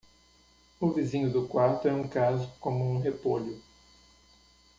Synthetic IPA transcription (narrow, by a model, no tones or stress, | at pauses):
ʊvizĩɲʊd̪ʊkwaɾt̪ʊɛũkazʊkõmʊũɦepoʎʊ